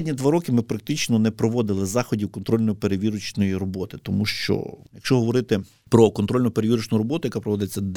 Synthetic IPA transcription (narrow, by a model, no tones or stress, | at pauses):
dʲnʲid̪ʋaɾɔkɪmɪpɾɐk̚t̪ɪt͡ʃnɔnɛpɾɔʋɔd̪ɪlˠɪzɑxɔdʲiwkɔnt̪ɾɔlʲnɔjipeɾeʋʲiɾʊt͡ʃnɔjirɔbɔt̪ɪt̪ɔmuʃt͡ʃɔ̰jɐkʃt͡ʃɔɦɔʋɔɾɪt̪ɪ | pɾɔkɔnt̪ɾɔlʲnɔpeɾeʋʲiɾʊt͡ʃnʊjɾɔbɔt̪ʊjɐkɑpɾɔʋɔd̪ɪet͡sʲːɐd̪